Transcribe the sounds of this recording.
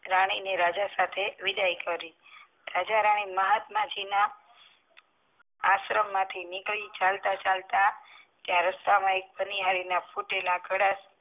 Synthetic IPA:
ɾaɽ̃ineɾad͡ʒasat̪ʰeʋɪd̪ajkəɾi | ɾad͡ʒaɾaɽ̃iməɦat̪mãd͡ʒina | sɾəmːãt̪ʰinɪkɭit͡ʃalt̪at͡ʃalt̪a | t̪jãɾəst̪amãek̚bəniɦaɾinafʰoʈelaɡʱəɽas

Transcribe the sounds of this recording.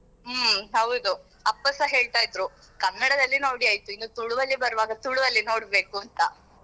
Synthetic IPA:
mɦɐwud̪u | ɐpːɐsɐɦe̞ːɭt̪aːjd̪ɾu | kɐnːɐɽɐd̪ɐlːinoːɽiaːjt̪uinːut̪uɭuʋɐlːibɐɾɐʋaːɡɐt̪uɭuʋɐlːino̞ːɽbe̞ːkuɐnt̪ɐ

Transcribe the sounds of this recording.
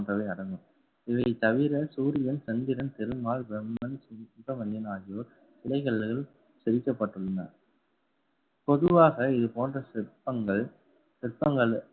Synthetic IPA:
ndrɐʋɐɪɐɽɐŋɡɯm | ɪʋɐɪt̪ɐʋɪɾɐsuːɾɪjɐnsɛnd̪ɪɾɐnt̪ɪɾɯmaːɭbɛmːɐnspːɐmɐnd̪ɪnaːjoːɾ | sɪlɐɪɣɐɭːɣɐɭ | sɛɾɪkːɐpːɐʈːɯɭːɐna̰ːɾ | pɔðɯʋaːɣɐɪðɯpoːndrɐpɐŋɡɐɭ | sɪrpːɐŋɡɐɭ

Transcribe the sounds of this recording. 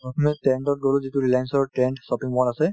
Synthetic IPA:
pɔtʰɔmɛʈɛɳɖɔʈ̚ɡɔlozituɹilajnsɔʈɛɳʈsɔpiŋbɔnasɛ

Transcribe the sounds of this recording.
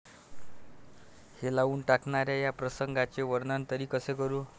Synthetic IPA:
helaʋuːɳʈakɳaɾjajapɾəsəŋɡat͡ɕeʋəɾnant̪əɾiːkəsekəɾu

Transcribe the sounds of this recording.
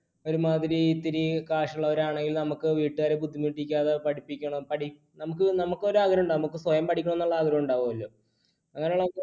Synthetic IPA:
o̞ɾumaːd̪iɾiːt̪ːiɾikaːʂɐuɭːɐoɾaːɳeŋɡilnɐmukːɨʋiːʈːɨʋaːɾebud̪ʱːimiːʈːikʲːaːðepɐɽipːikʲːɐɳɐmpɐɽi | nɐmukːɨnɐmukːo̞ɾuaːɡɐɾɐmuɳɖaːnɐmukːɨswɐjɐmpɐʈʰikʲːɐɳmenːɐɭːɐaːɡɐɾɐmuɳɖaːʋumɐlːo̞ː | ɐŋːɐneuɭːɐoː

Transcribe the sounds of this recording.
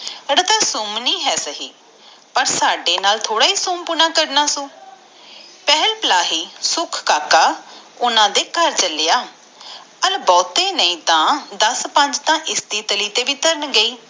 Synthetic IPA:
ɾət̪ãːsʊmnĩːɦɛːsəɦḭː | pəɾsaːɖeːnaːlt̪ʰoːɽaːiːsumpʊnãːkəɾnaːsõː | pɛɦəlpəlaːɦiːsʊkʰkaːkaː | ʊnãːd̪eːkəɾt͡ʃəlɪjaː | əlbɔːt̪ẽːnəĩːt̪ãːd̪əspə̃ɲd͡ʒt̪ãːʔɪsd̪iːt̪əliːt̪eːʋiːt̪əɾənɡəiː

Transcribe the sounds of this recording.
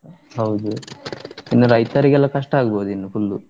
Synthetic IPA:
ɦɐwd̪u | inːuɾɐjt̪ɐɾikɛlːakɐʂʈɐaːɡɐboːd̪uinːupʰulːṵ

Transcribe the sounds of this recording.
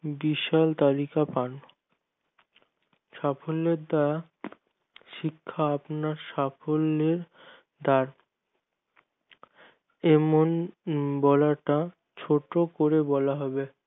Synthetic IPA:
biʃalt̪alikapan | ʃafolːeɾd̪aa | ʃikʰːaapnaɾʃafolːeɾ | d̪aɾ | ɛmonbɔlaʈa | t͡ɕʰoʈokoɾebɔlaɦɔbe

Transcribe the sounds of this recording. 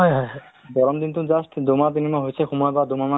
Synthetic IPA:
ɦɔjɦɔjɦɔbɔɾɔmd̪int̪uzasʈʰd̪omat̪inimaɦojsʰɛxumɔjbad̪omama

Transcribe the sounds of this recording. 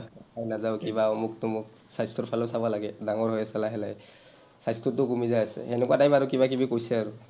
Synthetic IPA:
ajnazawkibamʊk̚tʊmʊk̚ | sajstɔɹpʰalɔsabɔlaɡɛdaŋɔɹɦɔjasalaɦɛlaj | sajstɔtʊkumizajasɛ̰ɛnɛkuatajpaɹukibak̬ibikojsɛaɹu

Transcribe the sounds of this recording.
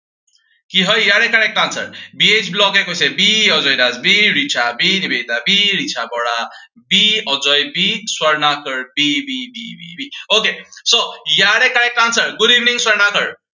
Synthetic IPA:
kiɦʌjjaɾekaɽek̚kansə̰ɾbiet͡ʃʰblɔkekojsebiɔd͡ʒɔjnad͡zbiɾit͡ʃʰabinibet̪abiɾit͡ʃʰabɔɽa | biɔd͡ʒɔjbiswʌɾnakəɾbibibibḭbiokesojaɽekaɽek̚ːãnsəɾɡud̪iʋniŋswəɾnakəɾ

